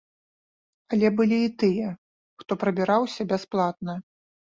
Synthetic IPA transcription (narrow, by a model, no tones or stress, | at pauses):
ɐlʲɛbɨlʲiːt̪ɨjɛ | xt̪ɔpɾɐbʲɛɾawsʲɐbʲasplˠat̪̚nɐ